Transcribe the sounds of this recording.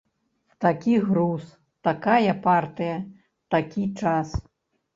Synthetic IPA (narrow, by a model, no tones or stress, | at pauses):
wt̪akʲiɣɾus | t̪akajɐpart̪ɨjɐ | t̪akʲit͡ʂas